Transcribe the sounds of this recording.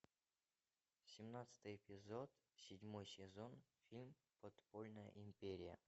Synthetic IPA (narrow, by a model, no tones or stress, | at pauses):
sʲɪmnat̪sɨ̥t̪ɨjɪpʲɪzot̪ | sʲɪdʲmojsʲɪzonfʲilʲm | pot̪polʲnəjə̰ʔɪmʲpʲeɾʲɪjə̰